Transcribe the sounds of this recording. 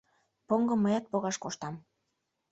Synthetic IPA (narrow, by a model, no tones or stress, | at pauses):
poŋɡɤ̆mːəjɑt̪̚poɣɑʃkoʃt̪ɑm